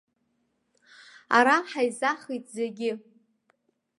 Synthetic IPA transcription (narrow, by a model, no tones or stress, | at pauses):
a̰ɾaħajzaχijtʼzeɡʲɪ